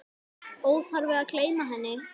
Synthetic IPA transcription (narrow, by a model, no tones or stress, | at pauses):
oːwfaɾvɛðaðkʰleːjmaɦɛnːɪ